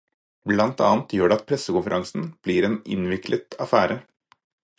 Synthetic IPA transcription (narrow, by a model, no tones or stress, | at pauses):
blɑnt̪ɑ̰ːnt̪ʰjøːɖɛɑt̪̚pʰɾɛsəkʊnfəɾʔɑŋsn̩b̥liːɾeːnɪ̰nʋɪkʰlʔət̪ɑfæːɾə